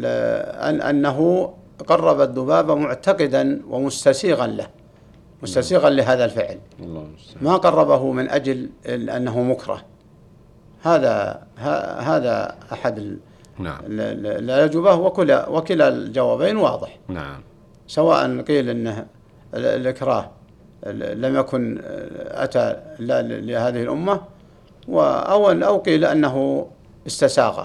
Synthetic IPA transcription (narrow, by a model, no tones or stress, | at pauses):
ʔa̰ʔa̰nːaɦu | qɑrˤːɑbaðˤːʊbaːbamʊʕt̪aqɪd̪anwʔamʊst̪asiːɣanla | mʊst̪asiːɣanlɪɦaːðalfɪʕlː | maqɑrˤːɑbaɦʊmɪnʔa̰d͡ʒlʔa̰nːaɦumʊkɾˤɑ̰h | haːða̰haɦaːða̰ʔaħad̪ɪ | lʔald͡ʒɪbahwɪkʊlawɪkɪlald͡ʒawaːbeːnwɑ̰ːðˤɨħn | sawaːʔa̰nqiːlʔɪnːɪ | lʔɪkɾˤɑːh | lamjakʊnʔa̰t̪allɪhaːðɪhɪlʔʊmːa | wɪ̰a̰wʔawqiːlʔanːaɦu | ʔɪst̪asaːɣa̰